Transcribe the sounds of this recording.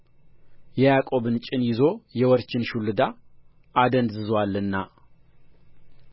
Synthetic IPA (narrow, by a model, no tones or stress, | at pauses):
jɛjakʼo̞βɨnt͡ʃʼɪnjɪzo̞jɛwɔɾt͡ʃɪnʃulɨd̪a | ad̪ənd̪zɨzwalːɨnːa